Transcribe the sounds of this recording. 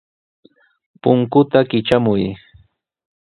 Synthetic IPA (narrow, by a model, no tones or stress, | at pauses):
pʊŋkʊt̪akɪt͡ʃamʊj